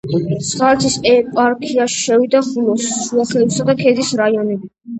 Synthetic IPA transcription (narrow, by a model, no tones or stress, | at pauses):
t̪sʰχalɛt̪ʰisɛpʼaɾkʰiaʃi̥ʃɛvid̪aχulɔsːuaχɛisad̪akʰɛd̪isɾaiɔnɛbi